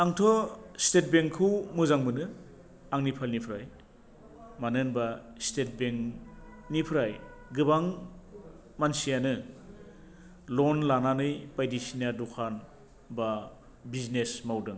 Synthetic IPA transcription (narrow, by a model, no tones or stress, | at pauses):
aŋtʰɔstet̚beŋkʰːɯwmɯzaŋmɯnɯ | aŋnipʰalnipʰɾaj | manɯnbastet̚beŋ | nipʰɾajɡɯbaŋ | mansijanɯ | lɔnlananɯjpajdisinadukʰan | ba | biznesmawdɯŋ